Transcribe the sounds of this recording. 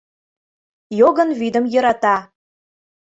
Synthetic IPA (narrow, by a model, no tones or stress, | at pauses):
joɣə̆nvyd̪əmjɤ̆ɾɑt̪ɑ